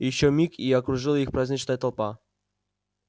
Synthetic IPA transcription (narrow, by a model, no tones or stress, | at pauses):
jɪɕːomʲikiɐkɾʊʐɨlˠjixpɾazʲnʲit͡ɕnəjət̪ɐlˠpa